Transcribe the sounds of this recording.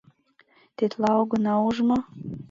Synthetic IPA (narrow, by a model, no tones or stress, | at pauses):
t̪et̪lɑoɣɤ̆nɑuʒmo